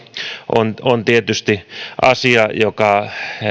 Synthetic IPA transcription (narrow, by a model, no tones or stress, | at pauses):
ʔo̰nont̪iet̪yst̪iʔɑ̰siɑjokɑ